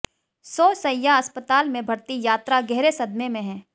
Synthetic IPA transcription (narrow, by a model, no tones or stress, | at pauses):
soːsɐjːaɐspət̪aːlmẽbʱɐɾt̪ijaːt̪ɾaɡɛɦɾesɐd̪memẽɦɛ̃ː